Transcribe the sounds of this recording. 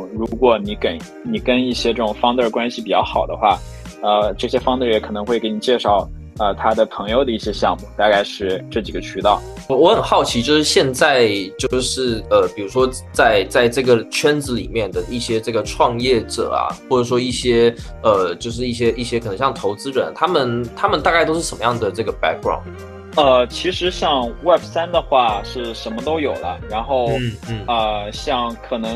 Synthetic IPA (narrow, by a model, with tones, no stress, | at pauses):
ɻu˧˥kwɔ˨˩ni˧˥ke˧˥˩ɪ | ni˨˩kə˥ni˥˩ɕjɛ˥ʈ͡ʂɤ˥˩ʈ͡ʂʊ˨˩ŋfɑ˥ŋt͡sə˥˧kwa˥nɕi˨pi˨˩t͡ɕjɑ˥˩ʊxɑ˨˩ʊd̪ə˦xwa˥˩ | ə˧ʈ͡ʂɤ˥˩ɕjɛ˥fɑ˥ŋt͡sə˞˥˩jɛ˧˥kʰɤ˨˩nɤ˧˥ŋxwe˥˩ɪke˧˥ɪni˨˩t͡ɕjɛ˥˧ʂɑ˥˩ʊ | ə˧t̪ʰa˥d̪ə˨pʰɤ˧˥ŋjo˧ʊd̪ə˩i˥˩ɕjɛ˥ɕjɑ˥˧ŋmu˥˧t̪a˥˧ka˥˧ɪʂɻ̩˥˧ʈ͡ʂɤ˥˩t͡ɕi˨˩ɡə˦t͡ɕʰy˥t̪ɑ˥˩ʊ | wɔ˧˥xə˨˩nxɑ˥˩ʊt͡ɕʰi˧˥t͡ɕjo˥˧ʊʂɻ̩˥˧ɕjɛ˥˧nt͡sa˥˩ɪt͡ɕjo˥˧ʊʂɻ̩˥˩ə˧pi˨˩ɻu˧˥ʂwɔ˥ | t͡sa˥˧ɪt͡sa˥˧ɪʈ͡ʂɤ˥˩ɡə˩t͡ɕʰɥɛ˥nd͡zɹ̩˧˥lḭ˨˩mjɛ˥˩nd̪ə˩i˥˩ɕjɛ˥ʈ͡ʂɤ˥˩ɡə˩ʈ͡ʂʰwɑ˥˧ŋjɛ˥˩ʈ͡ʂɤ̰˨˩ɐ̰˩xwɔ˥˩ʈ͡ʂɤ˨˩ʂ̬wɔ˥i˥˩ɕjɛ˥ | ə˧t͡ɕjo˥˧ʊʂ̬ɻ̩˥˧i˥˩ɕjɛ˥ʔi˥˩ɕjɛ˥kʰnɤ˧˥ŋɕɑ˥˩ŋt̪ʰo˧˥ʊt͡sɹ̩˥ɻə˧˥nt̪ʰa˥mə˨nt̪ʰa˥mə˨nt̪a˥˧ka˥ɪt̪o˥ʊʂɻ̩˥˩ʂə˧˥mə˦jɑ˥˩ŋd̪ə˩ʈ͡ʂɤ˥˩ɡə˩pa̰˥k̚ɡɹɑ̰˥˩ʊn | ə˧t͡ɕʰi˧˥ʂɻ̩˧˥ɕjɑ˥˧ŋwɛ˥˩bsa˥nd̪ə˨xwa˥˧ʂɻ̩˥˩ʂə˧˥nmə˧t̪o˥ʊjo˨˩ʊlə˦ɻa˧˥nxo˥˩ʊ˥˩n̩˥˩ə˧˩ɕjɑ˥˩ŋkʰɤ˨˩nɤ˧˥ŋ